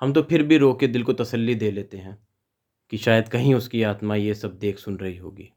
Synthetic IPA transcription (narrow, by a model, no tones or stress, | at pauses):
hɐmt̪̬opʰɪɾbʱiɾoːked̪ɪlkot̪ɐsəlːid̪eːleːt̪eɦɛ̃ː | kiʃaːjəd̪kɐɦĩʊskiaːt̪majesɐb̚d̪eːkʰsʊnɾɐɦiɦo̰ːɡiː